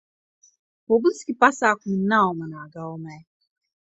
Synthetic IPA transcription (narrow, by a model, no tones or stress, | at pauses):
obusi̥kipasakʷʊminaɔmanaɡaɔma